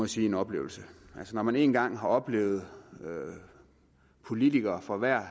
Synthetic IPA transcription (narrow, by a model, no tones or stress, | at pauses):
ɒjsiːe̝nɒ̽b̥le̝̰ːʊl̩səʔælsənɒmæne̝ːnɡ̥ɑ̈ŋ̰ɦɑ̈ɒ̽b̥le̝̰ːʊð̞̩ˠø | pʰo̝lit͡sʰiɡ̥ɐːfʁɑ̈ʋæɐ̰